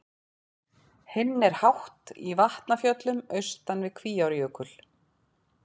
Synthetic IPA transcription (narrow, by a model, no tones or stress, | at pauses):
hɪnːɛɾ̥hawht̪ḭvaht̪nafjœt̪lʏmœɥst̪anvɪðkʰviːjawɾjœːkʏl̥